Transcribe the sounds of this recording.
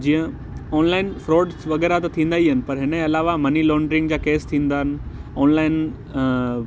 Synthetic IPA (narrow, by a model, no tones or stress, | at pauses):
d͡ʑĩːə̃ | ɔːnlaːɪnfɾoːɖʋɐɣɛːɾat̪ɐt̪ʰĩːnd̪aːiɦɐnɪ̆pɐɾɦɪnəẽɐlaːʋamɐnilɔːɳɖɾɪ̃ŋɡd͡ʑaːkeːst̪ʰĩːn̆d̪aːɦɪnɪ̆ɔːnlaːɪn